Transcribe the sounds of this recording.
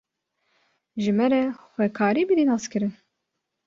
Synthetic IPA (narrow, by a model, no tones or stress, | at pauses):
ʒɨmɛɾɛxʷwɛkʰɑːɾiːbiɾiːnɑːskɨɾɨn